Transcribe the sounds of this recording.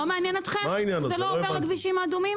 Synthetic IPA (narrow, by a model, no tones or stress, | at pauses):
lomeanjenot̪χemainjanzelooveʁaɡviʃimaːd̪umim